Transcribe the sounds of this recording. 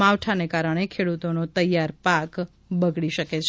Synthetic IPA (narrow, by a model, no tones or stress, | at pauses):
aʋʈʰanekaɾəɽ̃ekʰeɽut̪onot̪əjːaɾpak | bəɡɭiʃəket͡ʃʰ